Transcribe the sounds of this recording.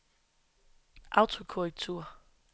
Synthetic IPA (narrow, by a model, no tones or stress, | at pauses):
ʔɑ̈ʊt͡sʰo̝kʰoʁɛɡ̥̚t͡sʰuɐ̰